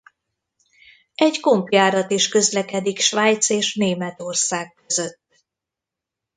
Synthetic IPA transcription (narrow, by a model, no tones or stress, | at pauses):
ɛɟko̞mpjaːɾɒt̪iʃkø̞zlɛkɛd̪ikʃvaːjt̪seːʃneːmɛt̪o̞rsaːk̚kːøzø̞t̪ː